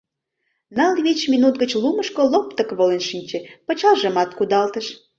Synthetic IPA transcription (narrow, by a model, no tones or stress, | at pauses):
nɑlβet͡ɕminut̪ɡət͡ɕluməʃkolopt̪əkβolenʃinʲt͡ɕepət͡ɕɑʒəmɑt̪kud̪ɑlt̪əʃ